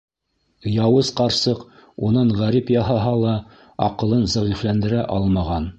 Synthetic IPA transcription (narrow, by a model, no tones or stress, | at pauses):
jɑwɤzqɑɾsɤqunɑɴʁæɾipjɑɦɑɦɑlˠɑ | ɑqɤ̆lˠɤnzɑʁiflænd̪ɘ̆ɾæʔɑlˠmɑʁɑn